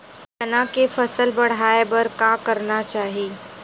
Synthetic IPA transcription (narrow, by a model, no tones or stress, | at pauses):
tɐnãkefɐsəlbɐɽ̤aːebɐɾkaːkɐɾnat͡ʃaːɦiː